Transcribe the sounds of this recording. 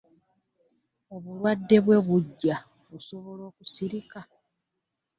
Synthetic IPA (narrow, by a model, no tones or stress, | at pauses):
o̞βulwadːe̞βwe̞βuɟːa | βuso̞βo̞lo̞ːkusiɾika